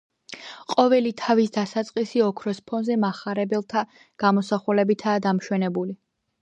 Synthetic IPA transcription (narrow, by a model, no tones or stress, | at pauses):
qʼɔvɛlit̪ʰavisd̪asat̪sʼqʼisiɔkʰɾɔspʰɔnzɛmaχaɾɛbɛlˠt̪ʰa | ɡ̥amɔsaχulɛbit̪ʰaːd̪amʃwɛnɛbuli